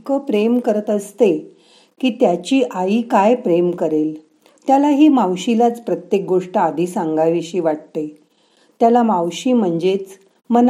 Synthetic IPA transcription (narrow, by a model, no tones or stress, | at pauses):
kəpɾemkəɾət̪əst̪e | kiːt̪jat͡ɕiːʔaiːkajpɾemkəɾel | t̪jalaɦiːmawɕilat͡spɾət̪jek̚ɡoʂʈəad̪ʱisaŋɡajʋiɕiːʋaʈ̚t̪e | t̪jalamawɕiːm̤əɳd͡zet͡s | mən